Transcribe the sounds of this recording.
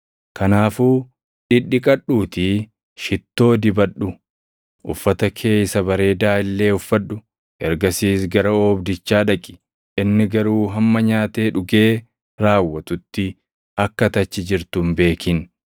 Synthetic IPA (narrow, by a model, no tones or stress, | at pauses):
kɐnaːfuː | ᶑɪᶑːɪkʼɐɗuːt̪ɪ | ʃɪt̪ːo̞ːd̪ɪbɐᶑːʊ | ʔʊ̰fːɐt̪ɐkʰe̞ːjsɐbɐɾe̞ːd̪aːɪlːe̞ːʊfːɐᶑʊ | ɛɾɡɐsiːsɡɐɾɐɔːbd̪ɪt͡ʃːaːᶑɐkʼɪ̥ | ʔɪnːɪɡɐɾuːɦɐmːɐɲaːt̪e̞ːᶑʊɡe̞ː | ɾaːwːɐt̪ʊt̪ːɪ | ɐkːɐt̪ɐt͡ʃːɪd͡ʒɪɾt̪ʊmbe̞ːkʰɪn